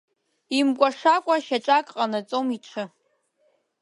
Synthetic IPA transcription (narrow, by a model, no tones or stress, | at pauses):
imkʷʼaʂakʷʼaʃaʈ͡ʂʼakʼqʼanat͡sʼomiʈ͡ʂʷʰɨ